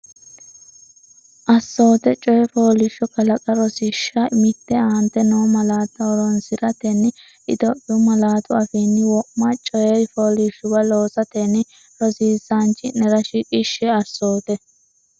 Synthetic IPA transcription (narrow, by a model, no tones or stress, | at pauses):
ʔɐsːo̞ːt̪ɛt͡ʃʼɔjɛfoːlɪʃːɔkɐlɐkʼɐɾɔsɪʃːɐmɪt̪ːɛaːnt̪ːɛnoːmɐlaːt̪ːɐɔɾɔnsɪɾɐt̪ɛnː | ʔɪd̪ɔʔʊmɐlaːt̪ʊɐfɛːnːɪwɔʔmɐt͡ʃʼɔjɛɾfoːlɪʃʊbɐlo̞ːsɐt̪ɛnɪ | ɾɔsiːzant͡ʃɪnɛɾɐʃɪkʼɪʃːɛɐsːo̞ːt̪ɛ